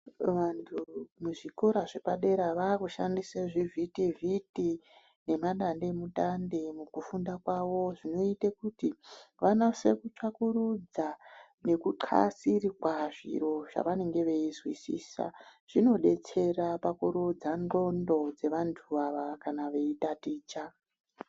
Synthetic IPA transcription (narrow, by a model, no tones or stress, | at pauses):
ʋantʰumuʐiko̞ɾaʐe̞paɗe̞ɾaʋaːkuʃandiseʐivʱitiviti | ne̞maɗande̞muɗandemukufundakwaʋo̞ʐino̞itekutiʋanosekut͡ʃakuɾud͡za | ne̞kuǃʰa̰sirikwaʐḭro̞ʐ̥a̰ʋane̞ŋɡe̞ʋe̞izwisḭːsa̰ʐ̥ino̞ɗe̞t͡se̞rapakuɾud͡zando̞ndo̞d͡ze̞ʋantʰuʋaʋakanaʋe̞itatiːt͡ʃa